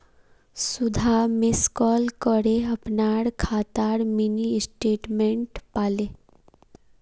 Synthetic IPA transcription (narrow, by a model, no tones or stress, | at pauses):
sud̪ʱamiskɔlkəɽeəpnaɽkʰat̪aɽminisʈeʈmeɳʈpale